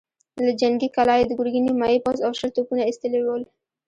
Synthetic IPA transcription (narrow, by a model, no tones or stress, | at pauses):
lad͡ʒaŋɡikalɑjed̪əɡuɾɡinimɑjipɑzawʃəlt̪opunaist̪əlewəl